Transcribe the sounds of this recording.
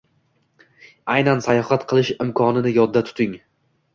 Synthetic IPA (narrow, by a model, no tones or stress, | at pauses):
ajnansajɒhat̪qʰɨlˠɪʃɪmkʰɒnɪnɪjɒd̪ːat̪ʰʊ̥t̪ʰɪŋ